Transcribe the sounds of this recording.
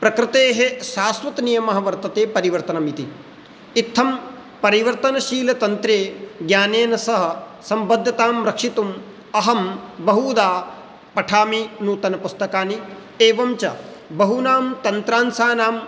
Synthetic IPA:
pɾɐkɾɪt̪eːɦeʃaːsʋɐt̪nijɐmɐɦɐʋɐɾt̪ɐt̪eːpɐɾiʋɐɾt̪ɐnɐmit̪i | it̪ʰːɐm | pɐɾiʋɐɾt̪ɐnɐʃiːlɐt̪ɐnt̪ɾeːɡjaːneːnɐsɐɦɐ̆sɐmbɐd̪ʱːɐt̪aːmɾɐkʂit̪um | ɐɦɐmbɐɦuːd̪aː | pɐʈʰaːminuːt̪ɐnɐpust̪ɐkaːni | eːʋɐmt͡ʃɐbɐɦunaːmt̪ɐnt̪ɾaːnsaːnaːm

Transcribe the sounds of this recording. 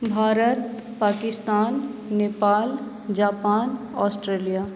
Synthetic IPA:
bʱaːɾət̪̚paːkɪst̪aːnːeːpaːl | d͡ʒaːpaːnɔːsʈɾeːlijaː

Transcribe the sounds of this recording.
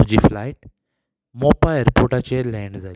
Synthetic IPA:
d͡ʑiːflajʈ̚ | mɔpajəɾpoɾʈat͡ɕelɛ̃ɳɖd͡zʱal

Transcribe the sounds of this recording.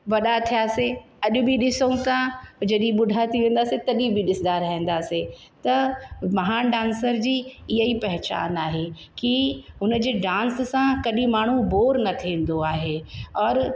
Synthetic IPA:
ʋɐɗat̪ʰijaːse | ɐʄʊ̆biɗɪsəũt̪ãd͡ʑɐɗĩɓʊɖʱat̪ʰiʋẽːn̆d̪aːset̪ɐɗĩbʱiɗɪsd̪aɾɐɦẽːnd̪aːse | t̪ɐmɐɦaːnɖãːnsəɾd͡ʑiːɪɦəipɐɦɪt͡ɕa̰ːnaːɦe | kiʊnə̆d͡ʑeːɖãːnssãkɐɗĩmaːɳ̤uboːɾnɐt̪ʰiẽːn̆d̪oaːɦeɔːɾ

